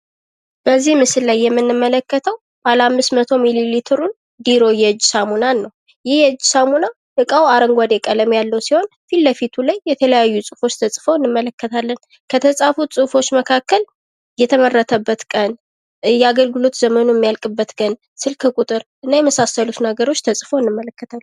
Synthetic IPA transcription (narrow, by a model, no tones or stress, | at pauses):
b̥əzːihmɨsɨlːajːɛmːɨnːɨmːələkːət̪ʰəw | b̥əalamːɨsmət̪ʰo̞mililit̪ʰɨɾun | d̪iɾo̞jɛd͡ʒːsamunanːəw | jɪhjɛd͡ʒːsamuna | ɨkʼawaɾəŋɡʷad̪ekʼələmjalːəwsiho̞nfilːəfit̪ʰulajːɛt̪ʰələjajːusʼɨfo̞t͡ʃːt̪ʰəsʼfəwɨnːɨmːələkːət̪ʰalːən | kʰət̪ʰəsʼafusʼɨfo̞t͡ʃːməkʰakːəl | jɛt̪ʰəmərːət̪ʰəbːət̪kʼən | jɛaɡəlɡɨlot̪zəmənujɛmːijalkʼɨbːət̪ɡʼən | sɨlkʰɨkʼut̪ʼɨɾʔɨnːajɛməsasːəlut̪naɡəɾo̞t͡ʃːt̪ʰəsʼfowɨnːɨmːələkːət̪ʰalː